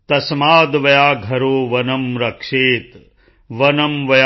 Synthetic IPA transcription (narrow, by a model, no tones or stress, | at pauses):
t̪ɐsmaːd̪ʋɐjaːɡʱɐɾoːʋɐnɐmɾɐkʂeːt̪ | ʋɐnɐmʋɐj